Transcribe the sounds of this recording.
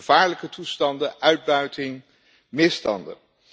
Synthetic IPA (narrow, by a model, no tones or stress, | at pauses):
əv̥aːɹləkətustɑndəʔœɥd̚bœɥtʰɪŋ | mɪstɑ̰ndə̰